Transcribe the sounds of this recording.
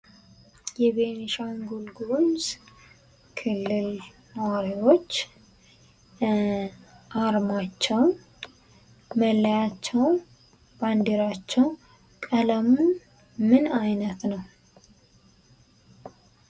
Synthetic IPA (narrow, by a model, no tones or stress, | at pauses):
jɛβeniʃawnɡolɡomz | kʰɨlːɨl | nəwaɾiwo̞t͡ʃː | ʔaɾmat͡ʃːɛwn | məlːjat͡ʃːɛw | band̪iɾat͡ʃːɛw | kʼələmun | mɨnajnət̪nəw